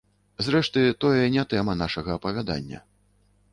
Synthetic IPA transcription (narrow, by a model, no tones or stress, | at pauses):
zɾɛʂt̪ɨt̪ɔjɛnʲɛt̪ɛmɐnaʂɐɣɐːpɐvʲad̪a̰nʲːɐ̰